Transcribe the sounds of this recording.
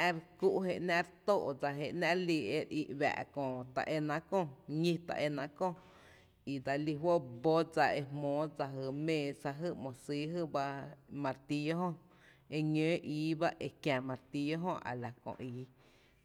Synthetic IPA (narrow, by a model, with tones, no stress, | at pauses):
ɛ˧ɾku˦ʔɦe˧ʔnã˦ɾt̪oː˦˧ʔd͡za˧ɦe˧˨ʔnã˦ʔliː˧e˧ɾi˧ʔβa̰˨ʔkõ˨t̪a̰˨ʔe˧nã˧kõ˦˨ɲĩ˧t̪a̰˧ʔe˧nã˧ʔkõ˧ | i˨d̪a˧li˧ɦwo˦ʔbo˦d͡za˧e˧hmõː˨˦d͡za˧ɦɨ˧˨mẽː˧˨sa˧ɦɨ˦ʔmõ˨siː˦ɦɨ˦ba˧mã˧ɾt̪i˧jo˦ɦõ˦ | e˧ɲø̃ː˨˦ʔiː˨˦ba˦ʔe˧kjã˨mã˨ɾt̪i˧jo˦ɦõ˦ʔa̰˨la˨kõ̰˨ʔiː˨˦